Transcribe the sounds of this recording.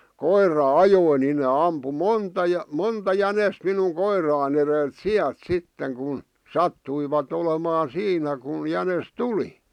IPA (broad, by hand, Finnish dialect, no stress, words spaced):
koirˑɑ ɑjoi ni ne ɑmpu montɑ jɑ montɑ jænest minuŋ koirɑˑĭn erelt siælt sitːeŋ kun sɑtːuiʋɑt olemɑː siːnæ kun̞ jænes tuli